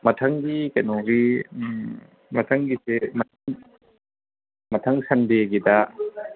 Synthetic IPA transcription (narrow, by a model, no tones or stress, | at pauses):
mɐtʰaŋɡikɐjnɔɡi | mɐtʰaŋɡisemɐtʰaŋ | mɐtʰaŋsɐndeɡida